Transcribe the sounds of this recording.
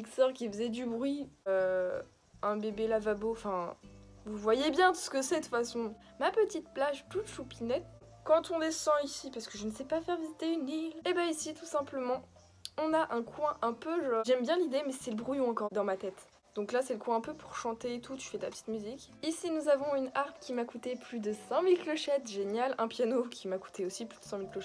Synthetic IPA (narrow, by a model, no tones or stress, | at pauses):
iksœʁkʲifəzɛd̪ybʁɥiø | ɛ̃bebelavaboɑ̃fɛ̃vuvwajebjɛ̃d̪əsə̥kəsɛt̪u̥t̪fasɔ̃ | mapət̪it̪̚plaʒt̪ut̪ʃupinɛt̪ | kɑ̃t̪ɔ̃d̪esɑ̃isipaʁsə̥kəʒənəsɛpafɛʁvizit̪eynilebɛisit̪usɛ̃pləmɑ̃ | ɔ̃naʔɛ̃kwɛ̃ʔɛ̃pøʒɔʒɛmbjɛ̃lid̪emɛsɛləbʁujɔ̃ɑ̃kɔʁd̪ɑ̃mat̪ɛt̪ | d̪̥ɔ̃klasɛləkwɛ̃ɛ̃pøpuʁʃɑ̃t̪eet̪ut̪y̥fɛt̪apə̥t̪i̥t̪myzikʲisinuzavɔ̃ynaʁpkʲimakut̪eplyd̪əsɑ̃milklɔʃɛt̪ʒenjalɛ̃pjanokʲʰimaku̥t̪ʰeosiplyd̪əsɑ̃milklɔʃɛ